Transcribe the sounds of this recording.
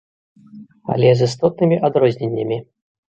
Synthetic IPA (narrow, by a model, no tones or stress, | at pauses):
a̰lʲɛzɨst̪ɔt̪̚nɨmʲiʔad̪ɾɔzʲnʲenʲːɐmʲi